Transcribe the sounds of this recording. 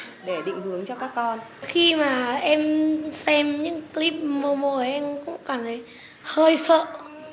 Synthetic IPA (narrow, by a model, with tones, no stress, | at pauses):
ɗe˧˩ɗḭ˧˨ŋ̟hɨ˨˩˦əŋt͡ɕɔ˧kaː˦˥kːɔ˧nxi˧maː˨˩ʔɛ˧msɛ˧mɲɨ̰˧˥ŋkli˦˥p̚mo˧mo˧˩ʔɛ˧mkʊ̰˧˥ŋ͡mkaː˧˩mt̪ʰə˨˦j | həː˧jsə̰ː˧˨